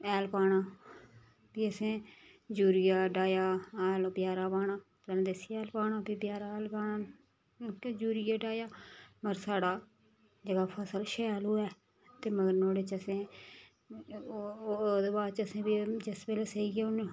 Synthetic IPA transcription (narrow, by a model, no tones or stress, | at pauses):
ɛːlpaːɽaː | piːəsẽː | d͡ʒuːɾɪjaːɖaːjaːlbjaːɾaːpaːɽãːtəñːd̪esijɛːlpaːɳãːpiːbjaːɾaːɛːlpaːnãː | kːd͡ʒuːɾɪjaːɖaːjaːməɾsaːɽaː | d͡ʒəɡaːpʰəsəlʃɛːaːloːɛː | t̪eːməɡəɾnoːɽeːt͡ʃəsẽː | d̪eːbaːd̪t͡ʃəsẽːbid͡ʒɪsbeːleːseiɡeːʊn